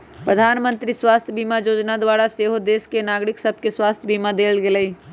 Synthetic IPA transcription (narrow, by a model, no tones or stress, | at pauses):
pɾəd̪ʱaːnmə̃nt̪ɾiswaːst̪ʰjbiːmajoːd͡ʒnad̪waːɾaseːɦod̪eːskenaːɡɾɪksəb̚ʱkeswaːst̪ʰjbiːmad̪eːlɡeləi